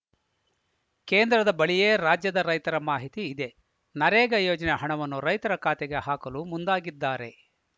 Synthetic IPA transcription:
keːnd̪ɾɐd̪ɐbɐɭijeːɾaːd͡ʒjɐd̪ɐɾɐjt̪ɐɾɐmaːɦit̪iːd̪e̞ | nɐɾɛːɡɐjoːd͡ʒɐneɦɐɳɐʋɐnːuɾɐjt̪ɐɾɐkaːt̪ɛɡe̞haːkɐlumund̪aːɡid̪ːaːɾe̞

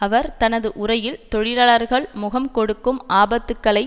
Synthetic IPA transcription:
ɐʋɐɾt̪ɐnɐðɯʔʊrɐjɪlt̪ɔɻɪlaːlɐɾɣɐɭmʊɣɐmkɔɽɯkːɯmʔaːbɐt̪ːɯkːɐɭɐɪ

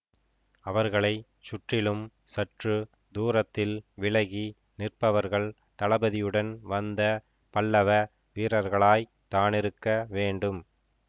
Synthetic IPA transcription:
ɐʋɐɾɣɐɭɐɪ | t͡ʃʊʈrɪlɯm | sɐʈrɯ | d̪uːɾɐt̪ːɪlʋɪɭɐɣi | nɪrpɐʋɐɾɣɐɭ | t̪ɐɭɐbɐðɪjɯɽɐnʋɐnd̪ɐ | pɐɭːɐʋɐ | ʋiːɾɐɾɣɐɭaːj | t̪aːnɪɾɯkːɐʋeːɳɖɯm

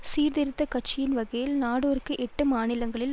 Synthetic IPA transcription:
ssiːɾd̪ɪɾɯt̪ːɐkɐʈ̚t͡ʃːɪjɪnʋɐɣɐjɪlnaːɽoːɾɯkːɯʔɛʈːɯmaːnɪlɐŋɡɐɭɪl

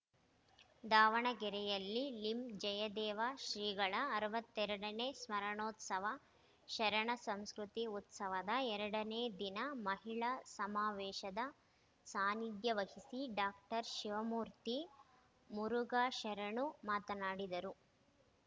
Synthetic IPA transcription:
d̪aːʋɐɳɐɡɛɾɛjɐlːilimd͡ʒɐjɐd̪ɛːʋaːʃɾiːɡɐɭɐːɾɐʋɐt̪ːɛɾɐɽɐneːsmɐɾɐɳoːt̪sɐʋɐ | ʃɐɾɐɳɐsɐmskɾut̪iut̪sɐʋɐd̪ɐɛɾɐɽɐneːd̪inɐmɐɦiɭɐsɐmaːʋɛːʃɐd̪ɐ | saːnid̪jɐʋɐhisiɖaːkʈɐɾʃiʋɐmuːɾt̪i | muɾuɡaːʃɐɾɐɳumaːt̪ɐnaːɽid̪ɐɾu

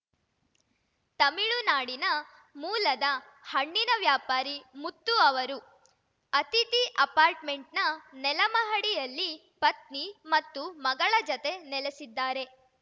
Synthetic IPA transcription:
t̪ɐmiɭunaːɽinɐ | muːlɐd̪ɐ | hɐɳːinɐʋjaːpaːɾimut̪ːuɐʋɐɾu | ɐt̪it̪iʔɐpaːɾʈme̞ɳʈnɐnɛlɐmɐɦɐɽijɐlːi | pɐt̪̚nimɐt̪ːumɐɡɐɭɐd͡ʒɔt̪e̞nɛlesid̪ːaːɾe̞

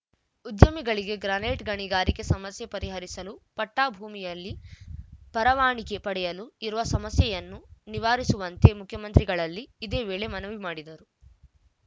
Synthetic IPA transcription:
ud̪jɐmiɡɐɭiɡe̞ɡɾaːneːʈɡɐɳiɡaːɾike̞sɐmɐsjɐpɐɾiɦɐɾisɐlupɐʈːaːbʱuːmijɐlːi | pɐɾɐʋaːɳike̞pɐɽɛjɐluiɾuʋɐsɐmɐsjɐjɐnːuniʋaːɾisuʋɐnt̪e̞mukʰjɐmɐnt̪ɾiɡɐɭɐlːiːd̪e̞ːʋeːɭe̞mɐnɐʋimaːɽid̪ɐɾu

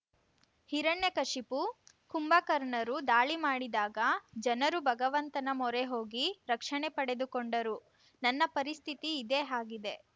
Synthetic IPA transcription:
hiɾɐɳːekɐʂipu | kumbɐkɐɾɳɐɾud̪aːɭimaːɽid̪aːɡɐd͡ʒɐnɐɾubʱɐɡɐʋɐnt̪ɐnɐmɔɾeɦoːɡiɾɐkʂɐɳepɐɽe̞d̪ukoɳɖɐɾu | nɐnːɐpɐɾist̪ʰit̪iːd̪eːɦaːɡid̪e̞

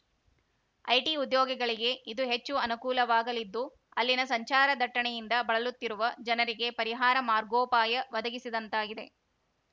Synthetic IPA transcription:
ɐjʈiud̪jɔːɡɐɡɐɭiɡe̞id̪uɦe̞t͡ʃːuɐnukuːlɐʋaːɡɐlid̪ːu | ɐlːinɐsɐɲt͡ʃaːɾɐd̪ʱɐʈːɐɳɛjind̪ɐbɐɭɐlut̪ːiɾuʋɐd͡ʒɐnɐɾiɡe̞pɐɾiɦaːɾɐmaːɾɡoːpaːjɐʋɐd̪ɐɡisid̪ɐnt̪aːɡid̪e̞

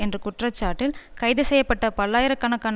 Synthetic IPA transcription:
ɛndrɯkʊʈrɐt͡ʃːaːʈːɪlkɐɪðɯsɛjːɐpːɐʈːɐpɐɭːaːjɪɾɐkːɐːnɐkːaːn

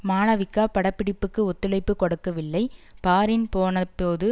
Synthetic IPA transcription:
maːnɐʋɪkːaːpɐɽɐpːɪɽɪpːɯkːɯɔt̪ːɯlɐɪpːɯkɔɽɯkːɐʋɪlːɐɪpaːɾɪnpoːnɐpːoːðɯ

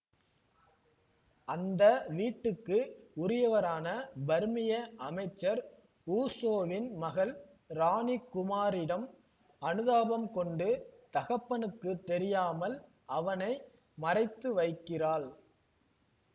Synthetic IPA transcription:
ɐnd̪ɐʋiːʈːɯkːɯʊɾɪjɐʋɐɾaːnɐbɐɾmɪjɐʔɐmɐɪt͡ʃːɐɾ | uːsoːʋɪnmɐɣɐl | ɾaːnikːʊmaːɾɪɽɐm | ɐnɯðaːbɐmkɔɳɖɯt̪ɐɣɐpːɐnɯkːɯt̪ːɛɾɪjaːmɐl | ɐʋɐnɐɪ | mɐrɐɪt̪ːɯʋɐɪkːɪraːɭ

